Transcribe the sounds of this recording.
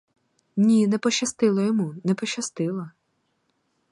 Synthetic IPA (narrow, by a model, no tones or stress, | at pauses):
nʲinɛpɔʃɐst̪ɪlˠɐjɔmunɛpɔʃɐst̪ɪlˠɐ